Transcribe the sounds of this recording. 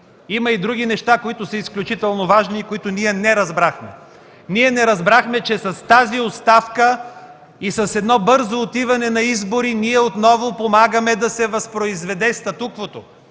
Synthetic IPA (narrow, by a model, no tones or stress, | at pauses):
imɐid̪ɾuɡ̟ʲinɛʃt̪akoit̪ʊsəisklʲut͡ʃit̪ɛlˠnovaʒniːkoit̪ʊniɛnɛɾɐzbɾaxmɛ̰ | niɛnɛɾɐzbɾaxmɛt͡ʃɛsɐst̪aziot̪st̪afkə | isɐsɛd̪nɔbɤɾzoːt̪ivɐnɛnɐizboɾiniɛot̪nɔvopomaɡəmɛd̪ɐsɛvɐspɾoizvɛd̪ɛst̪ɐt̪ukvot̪o